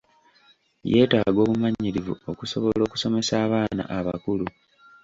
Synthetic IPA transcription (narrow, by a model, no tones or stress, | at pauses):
je̞ːtaːɡo̞ːβumaɲːiɾivṵo̞kuso̞βolo̞ːku̥so̞me̞saːβaːna̰ʔaβa̰kulu